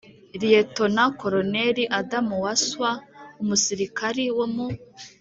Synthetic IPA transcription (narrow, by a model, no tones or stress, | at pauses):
ɾijeto̞nako̞ɾoneɾiʔadamuwaswaumusiɾikaɾiwomu